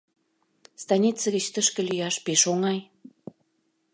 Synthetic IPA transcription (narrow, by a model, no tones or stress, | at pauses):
st̪ɑnʲit͡səɣə̆t͡ɕt̪əʃkə̆lyjɑʃpeʃoŋɑj